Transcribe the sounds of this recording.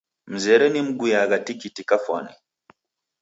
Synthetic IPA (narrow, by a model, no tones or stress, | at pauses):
m̩zɛɾɛnim̩ɡujaɡatikitikafa̰na̰